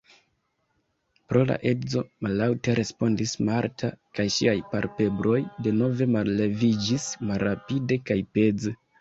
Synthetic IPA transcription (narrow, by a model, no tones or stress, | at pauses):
pɾo̞la̰ʔe̞zo̞malːawteɾʔe̞spo̞ndismaɾtʰakajʃiajpaɾpe̞bɾo̞jde̞no̞ve̞malːe̞vid͡ʒismalɾapide̞kajpe̞ze